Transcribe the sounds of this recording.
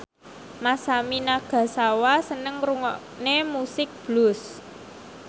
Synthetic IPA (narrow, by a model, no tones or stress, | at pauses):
masaminaɡ̥a̤sawasənəŋruŋɔʔ | nemusɪk̚b̥lʊs